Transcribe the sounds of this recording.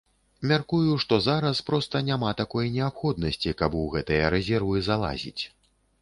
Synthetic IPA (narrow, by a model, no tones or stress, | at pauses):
mʲarkujuʂt̪ɔzaɾɐspɾɔst̪ɐnʲamat̪akɔjnʲɛapxɔd̪nɐsʲt͡sʲikɐbuɣɛt̪ɨjɐɾɛzʲɛrvɨzalˠa̰zʲḭt͡sʲ